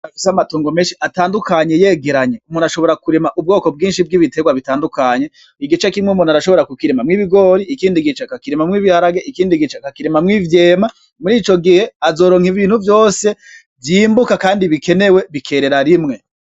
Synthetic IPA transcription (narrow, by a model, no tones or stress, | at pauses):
afi̥samatuːŋɡome̞ːnʃiʔataːndukaɲe̞je̞ːɡeɾaɲe̞umunaʃo̞βo̞ɾakuɾemaʔub̚ɡo̞ːko̞b̚ɡiːnʃib̚ɡiβite̞ɡwaβitaːndukaɲe̞ | iɡit͡ʃakimŋeumunaɾaʃo̞βo̞ɾakukiɾemamŋiːβiɡo̞ɾiikiːndiɡit͡ʃakakiɾemamŋiːβihaɾaɡeʔikiːndiɡit͡ʃakakiɾemamŋivje̞ːma | muɾiːt͡ʃo̞ɡihe̞azo̞ːɾoŋhiviːn̥uvjo̞ːse̞ | vjiːmbukakaːndiβike̞ne̞we̞βikʰe̞ɾe̞ɾaɾimŋe̞